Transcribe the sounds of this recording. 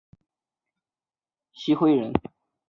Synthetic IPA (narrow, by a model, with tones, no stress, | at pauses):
ɕi˥xwe˥ɪɻə˧˥n